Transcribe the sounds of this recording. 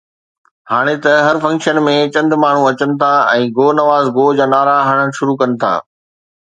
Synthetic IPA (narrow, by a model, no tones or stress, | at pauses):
haːɽ̃et̪ɐɦɐɾfɐ̃ŋkʃənmẽt͡ɕɐ̃nd̪ʱmaːɳ̤ũɐt͡ɕənɪ̆t̪ʰaɛ̃ːɡoːnɐʋaːzɡoːd͡ʑaːnaːɾaːɦɐɽ̃ənɪʃʊɾukɐnɪ̆t̪ʰa̰ː